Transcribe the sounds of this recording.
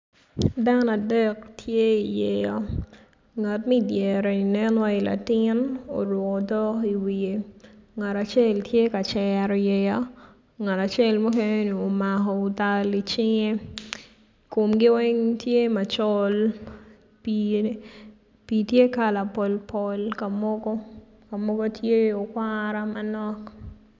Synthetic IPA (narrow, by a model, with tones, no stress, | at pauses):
da˦na˨dɛ˦ktʰje˦i˨jɛ˨jɔ˦ | ŋa˨tmɛ˦djɛ˨ɾo˨i˨nɛ˦nwa˦ila̰˨tɪno̰˨ɾʊ˨kɔ˨dɔ˦i˨wie˨ŋa˨ta˨t͡ʃe˦ltʰje˦ka˨t͡ʃɛ˨ɾɔ˨jɛ˨ja˦ | ŋa˨ta˨t͡ʃɛ˦lmɔ˦kɛne˦ni˨o˨makɔ˨ʊ˨ta˦li˨t͡ʃɪ˦ŋe˦ | ko˨mɡɪ˦wɛ˦ŋtje˦ma˨t͡ʃɔ˦l | pi | pitje˦ka˨la˨pɔ˨lpʰɔ˨lka˨mɔ˦ɡɔ˦ | ka˨mɔ˦ɡo˦tʰje˦o˨kwaɾa˦manɔ˦k